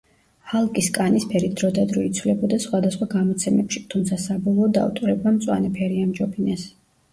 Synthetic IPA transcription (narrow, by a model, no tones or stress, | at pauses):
halˠkʼiskʼanispʰɛɾit̪̚d̪ɾɔd̪ad̪ɾɔit̪sʰvlɛbɔd̪asχwad̪asχwaɡamɔt̪sʰɛmɛpʃi̥t̪ʰumt̪sʰasabɔlˠɔːd̪a̰ut̪ʼɾɛbamt̪sʼwa̰nɛpʰɛɾiamd͡ʒɔpʰinɛs